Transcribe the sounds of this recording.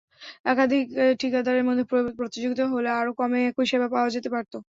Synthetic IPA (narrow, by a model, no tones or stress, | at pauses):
ɛkad̪ʱikʈʰikad̪ʱaɾeɾmod̪ʱːepɾot̪id͡ʑoɡit̪oɦoleaɾokɔmekoiʃebapaoad͡ʑet̪epaɾt̪o